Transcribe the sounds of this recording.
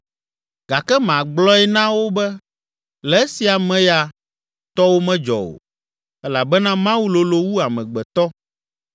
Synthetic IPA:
ɡ̥a˨kɛ˦mã˨ɡ͡blɔ˦ɛ˦nã˦wo˦bɛ˦ | lɛ˨˦e˦si˨a˨mɛ̃˦ja˨ | t̪ɔ˦wo˦mɛ̃˦d͡ʒɔ̰˨o̰˨ | ɛ˦la˨bɛ˦nã˦mã˦wu˦lo˨lo˦wu˦a˨mɛ̃˨ɡ͡bɛ˨t̪ɔ˦

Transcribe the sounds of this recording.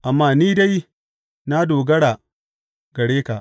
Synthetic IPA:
ʔa˨mːaː˦˨niː˦da˦j | na˦doː˨ɡɐ˦ɽa˨ | ɡɐ˨ɽeː˦ka˨

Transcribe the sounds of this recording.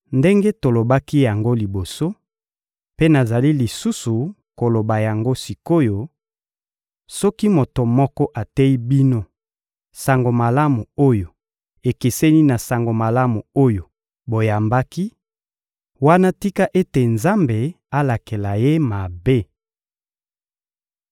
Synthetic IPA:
nde˦ŋɡe˦to˨lo˨ba˦ki˦ja˨ŋɡo˦li˨bo˨so˦ | pe˦na˨za˨li˦li˨su˦su˨ | ko˨lo˨ba˨ja˨ŋɡo˦si˨ko˦jo˨ | sɔ˦ki˦mo˨to˨mɔ˦kɔ˦ʔa˨tɛ˦i˦bi˦no˦ | sa˨ŋɡo˨ma˨la˦mu˨o˦jo˨ | e˨ke˨sɛ˦ni˦na˨sa˨ŋɡo˨ma˨la˦mu˨o˦jo˨ | bo˨ja˨mba˦ki˦ | wa˦na˦ti˦ka˦ʔe˦te˨nza˦mbe˨ | a˦la˨ke˨la˨je˦ma˨be˦

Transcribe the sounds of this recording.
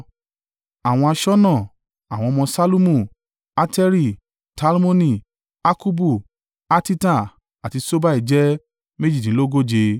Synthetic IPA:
a˨w̃ɔ̃˧a˧ʃɔ˦nã˦˨ | a˨w̃ɔ̃˧mɔ̃˧sa˦lu˦mũ˦˨ | a˦tɛ˦ɾi˦˨ | ta˦lmo˦nĩ˦˨ | a˦ku˦bu˦˨ | a˦ti˦ta˦˨ | a˨ti˧so˦ba˦i˨d͡ʒɛ˦ | me˦d͡ʒi˦˨tĩ˨˦lo˦ɡo˦d͡ʒe˧

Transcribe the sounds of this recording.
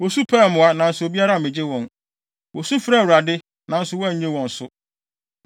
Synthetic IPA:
wɔ˨su˦pʰɛ˦˨mʊ̃˨a˦nã˨n̩˦sʊ˨o˨bi˦a˦ɾa˦˨mɪ̃˨d͡ʑɪ˦wɔ̃˨n | wɔ˨su˦fɾɛ˦˨wu˨ɾa˨dɪ˦ | nã˨n̩˦sʊ˨wɔ̃˦˨ɲẽ˦wɔ̃˨n̩˨sʊ˦

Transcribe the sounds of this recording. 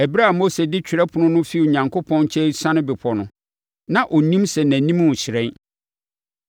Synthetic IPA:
æ˨bi˦ɾa˦˨mo˦se˨dɪ˦t͡ɕʰᶣɪ˨ɾɛ˦pʰʊ˨nʊ̃˦nʊ̃˦fi˦˨ɲã˨ŋkʰo˦pʰɔ̃˦nt͡ɕʰɛ˦sã˦nʊ̃˦bɪ˨pʰɔ˨nʊ̃˨ | nã˨ʔɔ˨nĩ˦msɛ˨næ̃˨nĩ˦m˦ʊ˨ɕʰɪ˨ɾɛ̃˦n

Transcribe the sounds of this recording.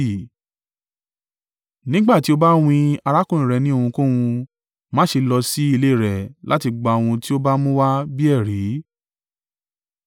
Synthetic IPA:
nĩ˦ɡ͡ba˦˨ti˨˦o˦ba˦w̃ĩ˧a˧ɾa˦kũ˦˨ĩ˨ɾɛ˨nĩ˦o˧hũ˧kũ˦wũ˧ | mã˦ʃe˧lɔ˧si˦i˦˧le˦˨ɾɛ˨la˦ti˧ɡ͡ba˧˨o˨˧w̃ũ˧ti˦o˦ba˦mũ˦wa˦bi˦ɛ˦˨ɾi˨˦

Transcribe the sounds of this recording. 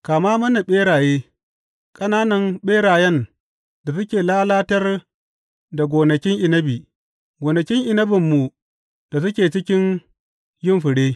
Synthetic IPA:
kaː˨maː˦mɐ˦na˨ɓeː˦ɽaː˨jeː˦ | kʼɐ˦naː˦nɐ˨mɓeː˦ɽaː˨jɛ˦n | da˨sʊ˦kʲeː˨laː˦laː˦tɐ˦r | da˨ɡʷoː˨nɐ˨kʲɪ˦ŋʔɪ˨nɐ˦biː˨ | ɡʷoː˨nɐ˨kʲɪ˦ŋʔɪ˨nɐ˦bɪ˨mːu˨ | d̥a˨sʊ˦kʲeː˨t͡ʃɪ˦kʲɪ˦n | jɪ˦mɸɪ˨ɽeː˦

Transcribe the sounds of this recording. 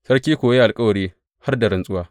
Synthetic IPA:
sɐ˦rkʲiː˦kʷoː˨je˦ʔa˨lkʼɐ˦wɐ˨ɽiː˦ | ha˦rda˨ɾɪ˨nsʼʊ˦waː˦

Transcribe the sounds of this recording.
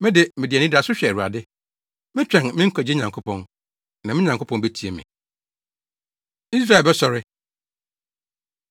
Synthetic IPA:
mɪ̃˦dɪ˨mɪ̃˨dɪ˨ɛ˨nɪ̃˦dɪ˨˦a˨sʊ˦ɕᶣɛ˨ɾu˨a̰˨dɪ˦ | mɪ̃˦t͡ɕᶣɛ̃˨nmɪ̃˦ŋ̩˦kʰɔ˨d͡ʑɪ˦ɲã˨ŋkʰo˦pʰɔ̃˨n | nã˨mɪ̃˦ɲã˨ŋkʰo˦pʰɔ̃˨nbe˦tʰi˨e˨mɪ̰̃˨ | i˦s̬ɾa˦˨lbɛ˦sɔ˨ɾɪ˦

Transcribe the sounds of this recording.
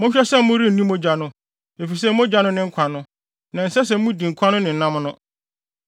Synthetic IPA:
mʊ̃˦ɕᶣɛ˦sɛ˦m̩˦mʊ̃˦ɾi˦n̩˨nĩ˦mõ˦d͡ʑa˨nʊ̃˦ | e˨fi˨s̬ɛ˦˨m˦ʊ̃˦d͡ʑa˨˦nʊ̃˦nɪ̃˦ŋ̩˦kʰa˨nʊ̃˦ | nã˨n̩˨sɛ˦s̬ɛ˨m̩˦mũ˦di˨ŋ̩˨kʰa˦nʊ̃˦nɪ̃˨n̩˨nã˦mnʊ̃˦

